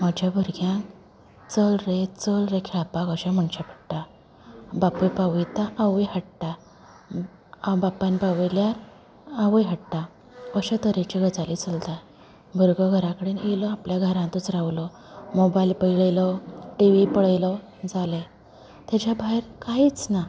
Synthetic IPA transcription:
mad͡ʑʱjabʱəɾɡjãk | t͡səlɾet͡səlɾẽkʰɛɭapakəɕãm̤əɳɕapə̥ɽʈa | bapujpaʋjt̪ãʔaʋəjhəʈʈ̪a | bapːanipaʋiljaɾ | aʋjɦəʈt̪a | əɕat̪əɾet͡ɕeɡət͡salit͡səlt̪a | bʱəɾɡəɡʱəɾãkəɽiːnelɔapljaɡʱəɾãnt̪ut͡sɾaʋlɔ | mobajlpəjɭlɔʈiʋipəɭəjlɔ | d͡zale | t̪jat͡ɕabʱaeɾkait͡sna

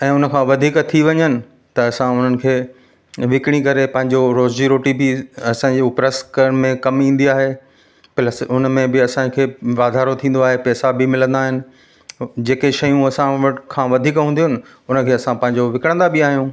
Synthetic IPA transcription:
ɛ̃ːʊnə̆kʰãːʋɐd̪ʱiːkt̪ʰiʋɐɲənɪ̆ | t̪ɐɐsãʊn̤ənɪ̆kʰeː | ʋɪkɽ̃ikɐɾepɐ̃ɦɪ̃ɲd͡ʑoɾoːzd͡ʑiɾoːʈibɪɐsãɲd͡ʑeːʊpɾəskəɽmẽkɐmĩːn̆d̪iaːɦe | pɐləsʊnəmẽbɪɐsãkʰeːʋaːd̪ʱaːɾot̪ʰĩːn̆d̪oaːɦepɛːsabɪmɪlə̃nd̪aːɦɪnɪ̆ | d͡ʑeːkeʃɐjũɐsãʋɐʈkʰãːʋɐd̪ʱiːkɦũːn̆d̪iɦʊnɪ̆ | ʊnə̆kʰeːɐsãpɐ̃ɦɪ̃ɲd͡ʑoʋɪkɪɽ̃nd̪abɪaːɦijũː

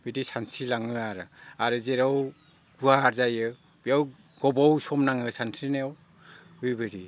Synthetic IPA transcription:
bidisansilaŋɯaɾɯaɾɯzeɾaw | ɡuaːɾzajɯ | b̥iaw | ɡɔbɔwsɔmnaŋɯsansʰinew | hujbɯɾi

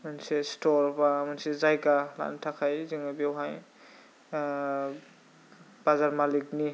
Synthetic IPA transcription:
mansestʰɔɾbamansezajɡala̰ʔntʰakʰajziŋabewɦaj | b̥azaɾmalikni

